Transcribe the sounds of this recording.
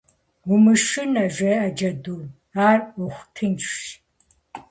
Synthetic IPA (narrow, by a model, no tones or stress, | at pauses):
ʊmɨʂɨnɐʒʷeːʔɐd͡ʒɐduː | aːrʊχʷtʰɨnt͡ʃʰʼʃ